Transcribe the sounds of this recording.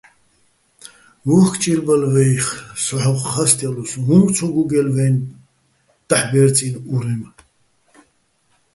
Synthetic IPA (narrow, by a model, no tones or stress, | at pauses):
wuχkʰt͡ʃʼiɾbalvɛjχsɔħɔqːast̪ʼɛlusɦumt͡sʰɔɡuɡɛlvɛn | d̪̥aħbɛɾt͡sʼinuɾɛm